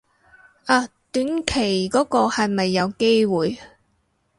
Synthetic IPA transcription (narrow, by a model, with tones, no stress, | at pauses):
ʔaː˧t̪yː˨˥nkʰe˨˩jkɔː˨˥kɔː˧hɐ˨jmɐ˨jːɐ˨˧wke˥jwuː˨j